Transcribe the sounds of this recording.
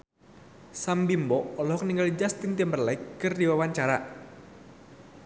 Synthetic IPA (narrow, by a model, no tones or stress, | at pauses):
sambimbɔʔɔlɔɦɔk̚niŋɡalid͡ʒast̪int̪iəmbərlajkːərdiwawaɲt͡ʃaɾa